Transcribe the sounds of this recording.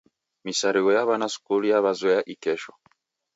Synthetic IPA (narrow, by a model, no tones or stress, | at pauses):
misaɾiwɔjaβanasu̥kulijaβazwɛjaʔikɛʃɔ